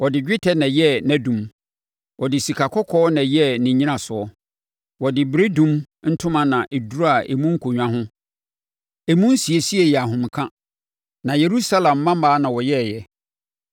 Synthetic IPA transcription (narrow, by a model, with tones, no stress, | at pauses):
wɔ˨dɪ˨d͡ʑᶣɪ˦tʰɛ˦nã˨jɛ˦næ̃˦dũ˨m | wɔ˨dɪ˨si˨kʰa˨kʰɔ˦kʰɔː˦nã˨jɛ˦nɪ̃˨ɲĩ˦nã˨sʊ˨ɔ˦ | wɔ˨dɪ˨bɾe˦dũ˦m | n̩˦tʰʊ̃˦mã˦nã˨ʔe˨du˦ɾa˨ʔe˨mũ˦ŋ̩˦kʰo˨ɲᶣã˦ɦʊ̃˦ | e˨mũ˦n̩˦si˨e˨si˦e˨jɛ˨a˨ɦʊ̃˨m˨kʰã˦ | nã˨je˨ɾu˦sa˦lã˨mːã˦maː˦nã˨wɔ˨jɛ˦˨jɛ˨